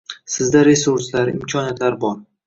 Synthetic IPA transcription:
sɪzd̪aɾe̞suɾslaɾɪ̰mkʲʰɒnijat̪laɾbɒɾ

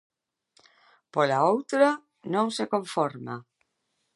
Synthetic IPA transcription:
polaowt̪ɾa | nõŋsekoɱfoɾma

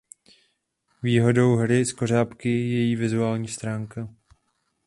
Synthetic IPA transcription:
viːɦo̞do̞wɦɾɪsko̞r̝aːpkɪjɛjiːvɪzuaːlɲiːst̪ɾaːŋka

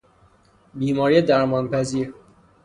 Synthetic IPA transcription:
biːmɒːɾiːjed̪æɾmɒːnpʰæziːɾ

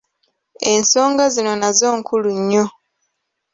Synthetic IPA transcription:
e̞nso̞ːŋɡazino̞nazo̞ːŋkʰuluɲːo̞

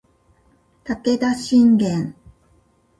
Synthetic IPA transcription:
t̪aked̪aɕĩŋɡẽn

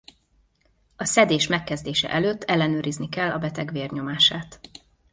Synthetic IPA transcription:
ɒsɛd̪eːʃmɛkːɛzd̪eːʃɛ̰ʔɛløːt̪ːɛlːɛnøːɾiznikɛlːɒbɛt̪ɛɡʋeːrɲo̞maːʃaːt̪

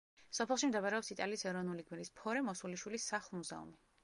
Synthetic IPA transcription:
sɔpʰɛlˠʃimd̪ɛpaɾɛɔpsit̪ʼaliːsɛɾɔnuliɡmiɾispʰɔɾɛmɔsuliʃwilisːaχlˠmuza̰ṵmi

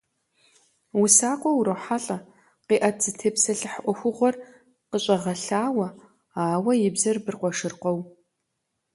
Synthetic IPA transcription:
wʊsaːqʷʼɔwuɾɐwħaɬʼɐ | qiːʔɐz̥ɨtʰeːpsɐɬɨħʔʷɔxʷʊʁʷɔr | qəɕʼɐʁɐɬaːwɐ | aːwɐjɪbzɐrbɨrqʷɔʂɨrqʷɔw

